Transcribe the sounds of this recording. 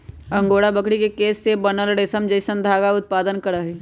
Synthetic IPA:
ə̃ŋɡoːɽabəkɽikekeːsːebənəlɽeːsəmd͡ʒəɪsənd̪ʱaːɡaʊt̪̚paːd̪ənkəɾəɦe

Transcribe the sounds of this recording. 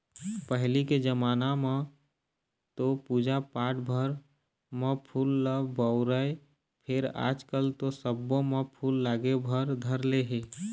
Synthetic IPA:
pəɦliked͡ʒəmaːnamẽ | t̪opuːd͡ʒapaːʈbʱəɾ | mə̃pʰuːlːəbəʊɾəe | pʰɪɾa̰ːd͡ʒkəlt̪osəbːõmẽpʰuːlːaːɡebʱəɾd̪ʱəɾleɦe

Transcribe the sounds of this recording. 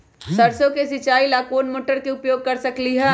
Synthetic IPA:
sɐɾsõkesɪt͡ʃaːilaːkoːnmoːʈəɾkeʊpjoːɡ̚kɐɾsɐkliɦɛː

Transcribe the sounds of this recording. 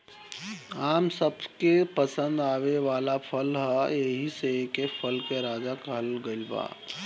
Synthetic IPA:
aːmsəbkepəsə̃nd̪aːweʋaːlapʰəlɦəeɦisekepʰəlkeɾaːd͡ʒakəɦəlɡəɪlba̰ː

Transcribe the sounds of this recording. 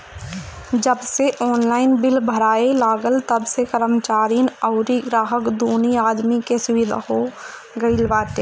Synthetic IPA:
d͡ʒəbseʔɔːnlaːɪnbɪlbʱəɾaːelaːɡəlt̪əbsekəɾəmt͡ʃaːɾinəʊɾiɡɾaːɦəkd̪uːniaːd̪mikesʊwɪd̪ʱa̰ɦo | ɡəilʋaːʈ̪eː

